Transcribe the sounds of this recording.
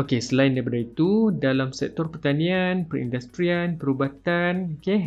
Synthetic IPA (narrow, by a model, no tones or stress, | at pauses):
okesəlaɪndabədait̪udalamsɛ̰k̚t̪ɔrpərt̪anĩanpəɾḭndast̪ɾianpəɾubat̪anoke